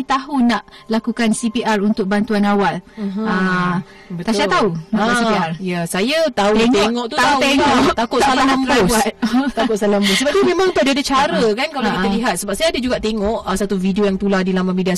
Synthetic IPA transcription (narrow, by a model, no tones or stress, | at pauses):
t̪aɦunaʔlakukansipiʔarunt̪ʊk̚bant̪uanawalə | bət̪asat̪aunasiiarjasajat̪auŋeŋɔʔt̪uaut̪eŋɔt̪akʊt̪salalambabuat̪̚t̪akʊt̪̚salambusəbap̚t̪umẽmãŋt̪odiadat͡ʃaɾəkankalawkit̪aliɦat̪̚səbap̚sajadad͡ʒuɡaʔt̪eŋɔʔəsat̪uvidiojaŋt̪uladilamamidia